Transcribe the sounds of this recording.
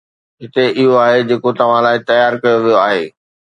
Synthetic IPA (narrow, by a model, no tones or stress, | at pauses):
ɦɪt̪eʔɪɦoaːɦed͡ʑeːkot̪ɐʋ̤ãlaːɪt̪ɐjaːɾkɐjoʋijoaːɦeː